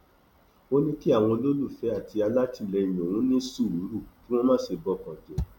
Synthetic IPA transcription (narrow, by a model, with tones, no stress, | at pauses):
o˦nĩ˦ki˦a˦˨w̃ɔ̃˧lo˦lu˦˨fɛ˨˦a˦˨tʰi˧a˧la˦ti˦˨lɛ˧i˨jĩ˨o˨wũ˨˦nĩ˦su˦˨u˨˦ɾu˦˨kĩ˦w̃ɔ̃˦mãː˦se˧bɔ˧kã˨dɛ˨